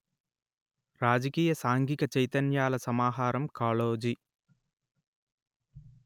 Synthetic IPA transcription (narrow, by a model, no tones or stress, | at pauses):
ɾaːd͡ʒɐkiːjɐsaːŋɡikɐt͡ʃɐjt̪ɐnjaːlɐsɐmaːɦaːɾɐmkaːloːd͡ʒi